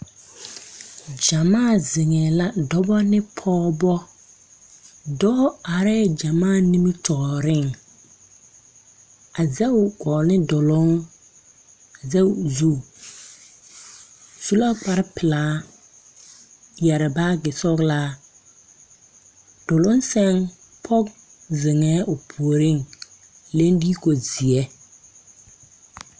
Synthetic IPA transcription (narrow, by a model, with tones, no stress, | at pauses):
d͡ʒa˨maː˦˨zɪ˨ŋɛ˨la˦dɔ˦bɔ˦nɪ˦pʰɔː˦bɔ˦ | dɔ˦a˨ɾɛ˦d͡ʒa˨maː˦˨ni˦mi˦tʰɔ˨ɾɪ˦˨ŋ | a˨zɛ˦˨ɡɔː˨nɪ˦dɔ˨lʊ˨˦ŋ | a˨zɛ˦u˨zu˦˨ | su˦la˦k͡pa˨ɾɪ˦pɪ˨la˨˦ | jɛ˨ɾɪ˨ba˦ɡɪ˨sɔ˦ɡla˦ | d̥ʊ˨lʊ˦n˦sɛ˦ŋ | pʰɔ˦k | zɪ˨ŋɛ˦ʔo˨pʰu˨o˨ɾɪ˦ŋ | le˦ndiː˦ko˨zi˨ɛ˦